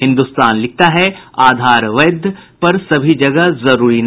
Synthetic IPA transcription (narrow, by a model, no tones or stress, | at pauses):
ɦɪ̃nd̪ust̪aːnlɪk̚t̪aɦɛaːd̪ʱaːɾʋɐd̪ʱpɐɾsɐbʱid͡ʒɐɡəzɐɾuːɾin